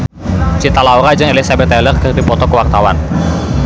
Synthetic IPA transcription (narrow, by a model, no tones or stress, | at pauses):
t͡ʃit̪alauɾad͡ʒɨŋelisabɛt̪ɛlərkərdipɔt̪ɔkəwak̚t̪awan